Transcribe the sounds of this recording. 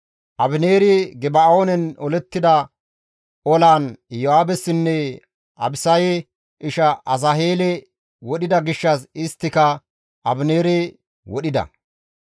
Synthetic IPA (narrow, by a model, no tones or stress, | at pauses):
ʔɐbɪne̞ːɾɪɡɛbaoːnɛnɔlɛt̪ːɪd̪ɐ | ɔlaːnjɔhaːbɛsːɪnːɛ | ʔɐ̰bɪsɐjɛ | ʔɪʃɐʔɐsɐɦeːlɛ | wɔɗɪd̪ɐɡɪʃːɐsɪst̪ːɪkɐ | ʔɐbɪneːɾɛ | wɔɗɪd̪ɐ̰